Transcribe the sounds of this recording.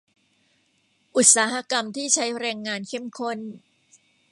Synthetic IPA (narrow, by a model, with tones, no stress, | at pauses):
ʔu˨˩t̪̚saː˩˦˥ɦa˧˥ka˧mt̪ʰiː˥˩t͡ɕʰa˦˥jɾɛː˧ŋːaː˧nkʰe˥˩mkʰo˥˩n